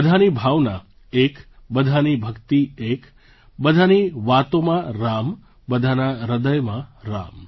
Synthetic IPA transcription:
əd̪ʱanibʱaʋna | ekbəd̪ʱanibʱəkt̪iek | bəd̪ʱaniʋat̪omãɾam | bəd̪ʱanaɾəd̪əjmãɾa̰m

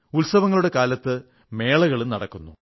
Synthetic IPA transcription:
ulsɐʋɐŋːɐɭuɽe̞kaːlɐt̪ːɨ | me̞ːɭɐɣɐɭumnɐɽɐ̰kːunːu

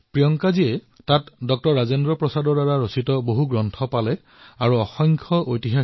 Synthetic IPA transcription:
pɹijɔŋkaziɛ | tatdɔk̚tɔɹːazendɹɔpɹɔsadɔɹdaɹaɹositɔboɦuɡɹɔntʰɔpalɛ | aɹuɔxɔŋkʰɔʔojtiɦa

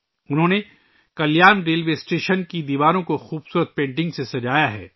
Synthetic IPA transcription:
ʊnɦõːne | kɐljaːnɾeːlʋeːsʈeːʃənkid̪iːʋaːɾõkoxuːbsuːɾət̪̚pẽːɳʈ̬ɪ̃ŋɡsesɐd͡ʒaːjaɦɛ̰ː

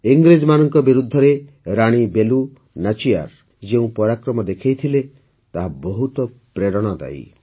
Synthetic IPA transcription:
iŋɡɾed͡ʒmanɔŋkɔbiɾud̪ʱːɔɾe | ɾaɽ̃ibelu | nat͡ʃija̰ɾ | d͡ʒeũpɔɾakɾɔmɔd̪ekʰejt̪ʰile | t̪aɦabɔɦut̪ɔ | pɾeɾɔɽ̃ɔd̪a̰j̰

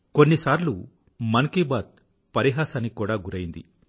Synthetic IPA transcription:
konːisaːɾlu | mɐnkibaːt̪̚ | pɐɾiɦaːsɐnːikuːɽaːɡuɾɐjind̪ḭ

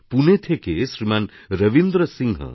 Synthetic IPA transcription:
punet̪ʰekesɾiman | ɾɐʋind̪ɾəsiŋɡɦə̰

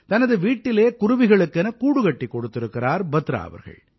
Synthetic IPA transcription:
t̪ɐnɐðɯʋiːʈːɪleːkʊrʊʋɪɣɐɭɯkːɛnɐkuːɽɯɣɐʈːikːɔɽɯt̪ːɪɾɯkːɪraːɾbɐt̪ːɾa̰ːʋɐ̰ɾɣɐ̰ɭ

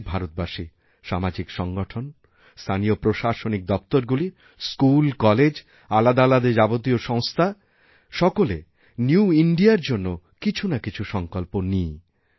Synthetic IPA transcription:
bʱaɾot̪̚baʃi | ʃamad͡ʑikʃɔŋɡoʈʰon | st̪ʰaniopɾoʃaʃonik̚d̪ɔp̚t̪oɾɡuli | skulkɔled͡ʑ | alad̪alad̪ed͡ʑabot̪̬ioʃɔŋst̪ʰa | ʃɔkole | njuiɳɖiaɾd͡ʑonːo | kit͡ɕʰunakit͡ɕʰuʃɔŋkolponij

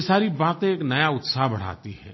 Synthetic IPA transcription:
saːɾibaːt̪ẽeːknɐjaʊt̪saːɦbɐɽ̤a̰ːt̪iɦɛ̰̃ː

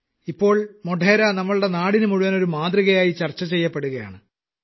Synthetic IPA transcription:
ipːo̞ːɭmoɖʱeːɾanɐmːɐɭɨɽe̞naːɽinɨmuɻuʋɐno̞ɾumaːðriɣɐjaːjit͡ɕɐrt͡ɕːɐt͡ɕe̞jːɐpːe̞ɽuɣɐja̰ːɳɨ

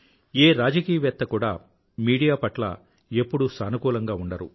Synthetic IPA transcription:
eːɾaːd͡ʒɐkiːjɐʋɛt̪ːɐkuːɽa̰ː | miːɽijaːpɐʈlɐ̰ | e̞pːuɽusɐnukuːlɐŋɡaːuɳɖɐɾu

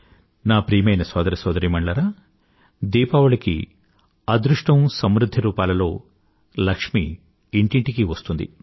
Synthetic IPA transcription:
naːpɾiːmɐjnɐsɔːd̪ɐɾɐsɔːd̪ɐɾiːmɐɳɖɐɾaː | d̪iːpaːʋɐɭɐkḭ | ɐd̪ɾuʂʈɐmsɐmɾud̪ʱːiɾuːpaːlɐlo̞ː | lɐkʂmḭː | ɳʈiɳʈikiʋɐst̪und̪ḭ

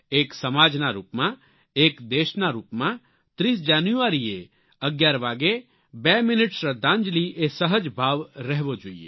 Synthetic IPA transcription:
eːksəmaːd͡ʒnaɾṵːpmã | eːkd̪eːʃnaɾuːpmã | t̪ɾiːs̬d͡ʒaːnjuʋaːɾie | əɡjaːɾʋaːɡe | bɛːmɪnɪʈsɾəd̪ʱãːnd͡ʒliesəɦəd͡ʒbʱaːʋɾɛɦʋod͡ʒoːiḛː

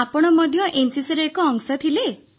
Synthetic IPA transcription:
apɔɽ̃ɔmɔd̪ʱjɔʔensisɔɾeːkɔːŋsɔt̪ʰile

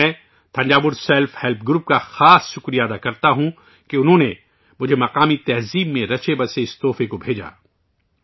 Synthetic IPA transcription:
ɛ̃ː | t̪ʰɐ̃ɲd͡ʒaːbʊɾsɛːlfhɛlp̚ʰɡɾuːp̚kaxaːsʃʊkɾijaːd̪akɐɾt̪aɦũ | keʊnɦõːne | mʊd͡ʒʱemɐqaːmit̪ɛɦziːbmẽɾɐt͡ʃʰebɐseɪst̪oːfekobʱeːd͡ʒa̰ː

